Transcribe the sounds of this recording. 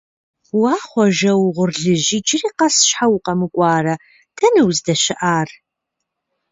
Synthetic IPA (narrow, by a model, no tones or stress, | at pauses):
wɑːχʷɔʒɐwʁʷʊrɮɨʒiːt͡ʃʼɪriːqɐsʃħawqɐmɨkʷʼɑːrɐ | tʰɐnɨwzdɐɕɪʔaːr